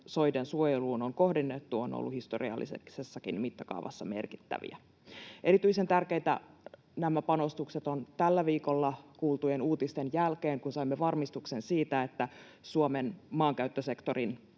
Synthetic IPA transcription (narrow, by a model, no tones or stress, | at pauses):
so̞jdensuojeluːnoŋko̞hdinːet̪ːuo̰no̰lːuhist̪orḭɑ̰lːḭsḛksesːɑkinmit̪ːɑkɑ̰uʋʔɑ̰sːɑme̞̰rki̥t̪ːæ̰ʋḭæ̰ | ʔe̞ɾit̪yisent̪ærkeit̪æ̰ | næmæpɑno̞st̪ukset̪ont̪ælːæʋiːko̞lːɑkuːlt̪ujenuːt̪ist̪enjælkeːŋkunsɑimːeʋɑrmist̪uksensiːt̪æet̪ːæ | suomenmɑːŋkæyt̪ːøse̞kt̪o̞rin